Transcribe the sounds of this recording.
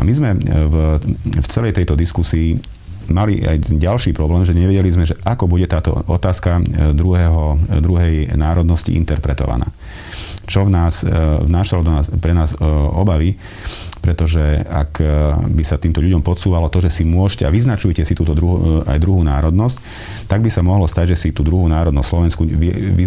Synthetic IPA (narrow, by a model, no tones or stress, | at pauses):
a̰mizmɛvft͡sɛlɛjt̪ɛjt̪ɔd̪iskusiː | maliʔa̰jɟalʃiːpɾɔblɛːmʒɛɲɛʋɛɟɛlizmɛʒɛʔakɔbuɟɛt̪aːt̪ɔ̰ʔɔt̪aːskad̪ɾuɦɛɦɔd̪ɾuɦɛjnaːɾɔd̪nɔscḭʔḭnt̪ɛɾpɾɛt̪ɔ̰ʋa̰na̰ː | t͡ʃɔvnaːsvnaːʃalɔd̪ɔnaːspɾɛnaːzɔbaʋi | pɾɛt̪ɔʒɛa̰kbisat̪iːmt̪ɔʎuɟɔmpɔt̪suːʋalɔt̪ɔʒɛsimʊɔʃcɛaʋiznat͡ʃujcɛsit̪uːt̪ɔd̪ɾuɦṵa̰jd̪ɾuɦuːnaːɾɔd̪nɔsc | t̪aɡ̚bisamɔɦlɔst̪aɟʒɛsit̪uːd̪ɾuɦuːnaːɾɔd̪nɔsslɔʋɛnskuʋɛʋi